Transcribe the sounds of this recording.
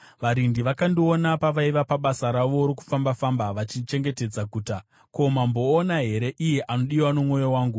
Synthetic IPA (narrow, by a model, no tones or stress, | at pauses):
ʋaɾindiʋakandionapaʋaiʋapaɓasaɾaʋo̞ɾoku̥fambafambaʋat͡ʃit͡ʃe̞ŋɡe̞te̞d͡zaɡʱuːta | ko̞mambo̞ːnaɦe̞ɾe̞ʔijeʔano̞ɗiwano̞mŋo̞jowaːŋɡu